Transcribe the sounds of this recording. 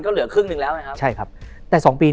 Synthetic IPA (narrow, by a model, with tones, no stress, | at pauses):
nkɔː˨˦˥lɯ˨˩˦əkʰɯ˧˩ŋɨ˨˧˩ŋlɛː˨˦˥wha˨˩kʰa˦˥t͡ɕʰa˥˩jkʰa˦˥p̚ | t̪ɛː˨˩sɔː˩˦ŋpiː˧